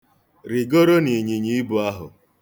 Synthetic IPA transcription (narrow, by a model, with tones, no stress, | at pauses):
ɾɪ˨ɡo˦ɾo˦ni˨ɲi˨ɲi˨˦bu˨a˦ɦʊ̰˨